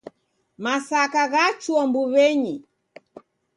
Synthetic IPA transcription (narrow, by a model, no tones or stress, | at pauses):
masakaɣat͡ʃuɔmbuβɛɲi